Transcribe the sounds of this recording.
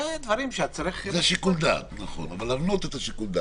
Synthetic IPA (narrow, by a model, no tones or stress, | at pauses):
ed̪vaɾimʃeat͡saɾiχzeaʃikuld̪a̰t̪naχo̞̰navalːavno̞t̪et̪aʃikuld̪a